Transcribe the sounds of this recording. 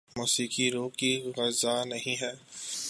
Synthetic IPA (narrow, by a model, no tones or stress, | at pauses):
muːsiːkiɾoːkiɣɐzanɐɦĩɦɛː